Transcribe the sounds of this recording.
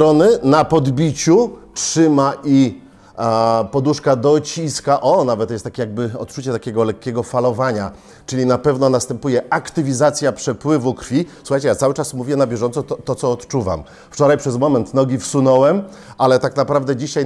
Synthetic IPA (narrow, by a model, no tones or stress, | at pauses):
ɾɔnɘnapɔd̪bʲit͡ɕutʂɘmaʔi | pɔd̪uʂkad̪ɔt͡ɕiskaʔɔnavɛt̪jɛst̪akʲejaɡ̚bɘɔ̰t̪t͡ʂut͡ɕɛt̪akʲɛɡɔlɛkːʲɛɡɔfalɔvaɲa | t͡ʂɘlʲinapɛvnɔnast̪ɛmpujɛakt̪ɘvʲizat̪sʲjapʂɛpwɘvukɾfʲisuxajt͡ɕɛjat̪sawɘt͡ʂasmuvʲjɛnabʲjɛʐɔnt̪sɔt̪ɔt̪sɔːt̪t͡ʂuva̰m | ft͡ʂɔɾajpʂɛzmɔmɛnt̪nɔɡʲifsunɔwɛm | alɛt̪aknapɾavd̪ɛd͡ʑiɕaj